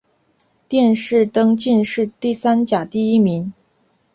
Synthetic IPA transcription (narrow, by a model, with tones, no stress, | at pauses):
t̪jɛ˥˧nʂɻ̩˥˩t̪ɤ˥ŋt͡ɕi˥˧nʂɻ̩˥˧t̪i˥˩sa˥nt͡ɕja˨˩t̪i˥˩i˥mi˧˥ŋ